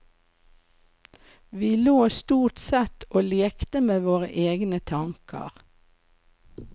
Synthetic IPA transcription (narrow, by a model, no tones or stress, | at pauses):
ʋiːloːst̪uːʈ̪sɛt̪oːleːkt̪əmeːʋoːʁə̰ʔeːɡnət̪ʰɑŋkʰə̰ʁ